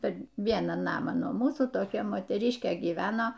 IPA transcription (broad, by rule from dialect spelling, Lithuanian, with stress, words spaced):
pʲɛr ˈʋʲiɛnɑː ˈnɑːmɑː nuɔ ˈmuːsuː toːˈkʲɛ moːtʲɛˈrʲɪʃʲkʲeː ɡʲiːˈʋʲæːnoː